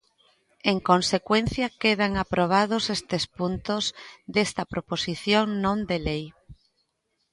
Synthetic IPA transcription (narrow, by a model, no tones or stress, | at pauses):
eŋkonsekwenθjɐkeðaŋapɾoβ̞að̞ʊsest̪espunt̪ozd̪est̪ɐpɾoposiθjoŋnõnd̪elej